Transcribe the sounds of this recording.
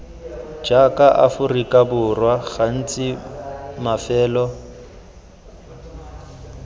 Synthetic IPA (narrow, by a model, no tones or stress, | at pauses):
d͡ʒakʼaʔafʊrikʼabʊrwaɣan̩t͡sʼɪmafɛːlɔ